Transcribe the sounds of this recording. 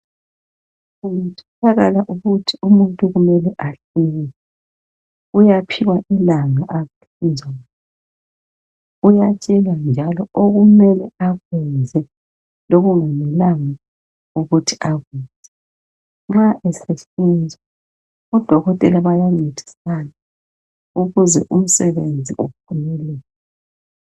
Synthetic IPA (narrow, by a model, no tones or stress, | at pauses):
umutʰɔ̥taɣalaʔuɣutʰiumuntʼuɣumɛlɛʔaɬinɛɛ | ujapʰiwaʔilaŋaʔaɣeɬind͡zʱa | ujat͡ʃʼɛland͡ʒʱalɔʔoɣumɛlɛaɣwɛnd͡zʱɛ | loɣuŋamilaŋa | uɣutʰiʔaɣwɛnd͡z̥ʱɛ | ŋ͡ǁaʔɛseɬind͡zʱa | ɔd̥ʱɔɣɔtʼɛlaβajaŋ͡ǀed̥ʱi̥sana | uɣuzɛ̰ʔum̩sɛβend͡zʱiʔup̚ʰunɛlɛlɛ